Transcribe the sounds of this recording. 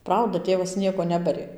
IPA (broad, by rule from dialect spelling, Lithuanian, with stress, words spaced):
ˈprɐʊdɐ ˈtʲeːʋɐs ˈnʲiɛkoː ˈnʲæːbɐrʲeː